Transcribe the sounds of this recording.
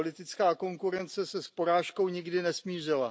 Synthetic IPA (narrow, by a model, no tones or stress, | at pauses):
olɪt̪ɪt͡skaːko̞ŋkuɾɛnt͡sɛsɛspo̞ɾaːʃko̞wɲɪɡdɪnɛsmiːr̝ɪla